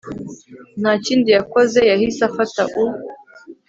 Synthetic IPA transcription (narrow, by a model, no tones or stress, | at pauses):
nat͡ʃindijakɔzɛjahisafataʔu